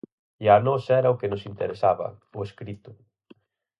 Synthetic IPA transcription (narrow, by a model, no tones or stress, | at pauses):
ianɔsɛɾɐʊkɪnʊsint̪eɾesaβɐ̰ʊeskɾit̪ʊ